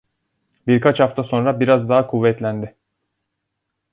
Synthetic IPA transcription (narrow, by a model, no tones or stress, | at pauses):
biɾkʰat͡ʃhaft̪ʰaso̞nɾabiɾazd̪aɦakʰuvːɛt̪lʲænd̪ɪ